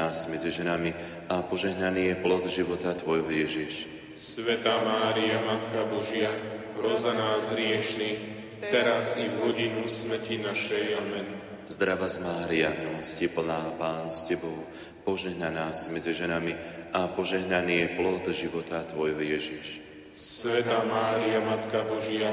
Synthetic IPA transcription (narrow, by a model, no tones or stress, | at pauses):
aːzmɛd͡ziʒɛnami | apɔʒɛɦnaniːjɛplɔd̪ʒiʋɔt̪at̪ʋɔjɦɔjɛʒiʃ | sʋɛt̪aːmaːɾiamat̪kabɔʒɪjaɦɾɔzanaːzɦɾɪɛʃni | t̪ɛɾazivɦɔɟinusmɛcinaʃɛjamɛn | zd̪ɾaʋazmaːɾiamilɔscipl̩naːpaːnscɛbɔʊ | pɔʒɛɦnanaːzmɛd͡ziʒɛnamiʔapɔʒɛɦnaniːjɛplɔd̪ʒiʋɔt̪at̪ʋɔjɦɔjɛʒiʃ | sʋɛt̪aːmaːɾiamat̪kabɔʒɪa